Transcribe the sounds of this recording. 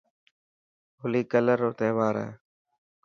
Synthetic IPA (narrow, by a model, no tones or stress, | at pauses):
ɦoliːkələɾoːt̪eːʋaːɾḛː